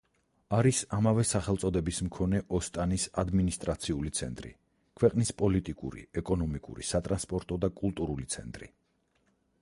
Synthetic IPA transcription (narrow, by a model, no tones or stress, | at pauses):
aɾisamavɛsaχɛlt̪sʼɔd̪ɛbismkʰɔnɛʔɔst̪ʼanisad̪minist̪ʼɾat̪sʰiulit̪sʰɛnt̪ʼɾḭ | kʰwɛqʼnispʼɔlit̪ʼikʼṵɾḭɛkʼɔnɔmikʼṵɾḭsat̪ʼɾanspʼɔɾt̪ʼɔd̪akʼulˠt̪ʼuɾulit̪sʰɛnt̪ʼɾḭ